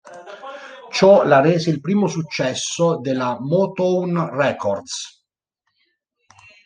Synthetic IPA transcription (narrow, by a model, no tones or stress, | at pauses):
t͡ʃɔlareːseilpɾiːmosut͡ʃːɛsːod̪elamɔt̪onrɛkʰɔrd̪s